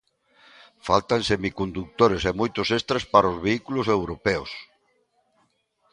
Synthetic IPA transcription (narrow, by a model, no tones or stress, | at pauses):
falt̪ansemikond̪uk̚t̪oɾesemojt̪osest̪ɾaspaɾaozβeikulosewɾopeos